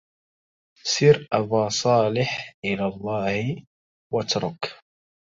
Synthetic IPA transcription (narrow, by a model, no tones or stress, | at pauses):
sɪɾʔabaːsˤɑːlɪħʔɪlaːlˤːɑːh | wat̪ɾʊk